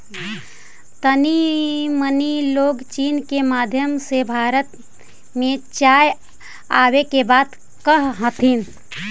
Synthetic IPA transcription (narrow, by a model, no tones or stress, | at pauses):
t̪əniməniloɡt͡ʃiːnkemad̪ʱjəmsebʱaːɾət̪ | mẽt͡ʃaj | aːwekebaːd̪ | kəɦɦət̪ʰin